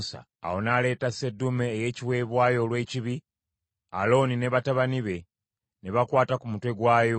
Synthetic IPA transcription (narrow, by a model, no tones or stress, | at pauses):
sa̰ːwo̞nale̞ːtase̞dːumeːje̞ːciwe̞ːβwaːjo̞ːlwe̞ːciβi | a̰lo̞ːnine̞βataβaniβe̞ | neβakwaːtakumutwe̞ɡwaːjo